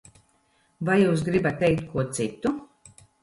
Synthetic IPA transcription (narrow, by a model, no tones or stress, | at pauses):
vajuːs̬ɡɾibat̪ːejk̚t̪̚kʰuɔt̪sit̪u